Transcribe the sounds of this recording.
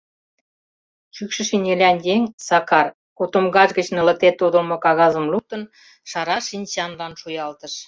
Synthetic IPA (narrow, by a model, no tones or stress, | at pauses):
t͡ɕykʃə̆ʃinʲelʲænjeŋʲsɑkɑr | kot̪omɣɑʒɣə̆t͡ɕnə̆lə̆k̚t̪et̪ːud̪ə̆lmŏkɑɣɑzə̆mluk̚t̪ə̆n | ʃɑɾɑʃinʲt͡ɕɑnlɑnʃujɑlt̪ə̆ʃ